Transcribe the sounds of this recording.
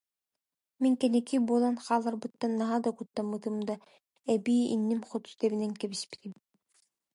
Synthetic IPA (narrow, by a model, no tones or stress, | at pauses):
miŋkɛnɛkibuɔlˠanχaːlˠːaɾbɯt̪ːanːaɦad̪akut̪ːamɯt̪ɯmd̪a | ɛbiːḭnːimχɔt̪u̥t̪ɛβinɛŋkɛβispi̥t̪im